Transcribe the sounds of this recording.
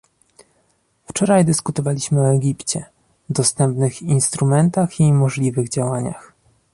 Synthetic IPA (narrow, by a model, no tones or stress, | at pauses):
ft͡ʂɔɾajd̪ɘskut̪ɔvalʲiɕmɘɔɛɡʲipt͡ɕɛ | d̪ɔst̪ɛmpnɘxinst̪ɾumɛnt̪aximɔʐlʲivɘɣd͡ʑawaɲa̰x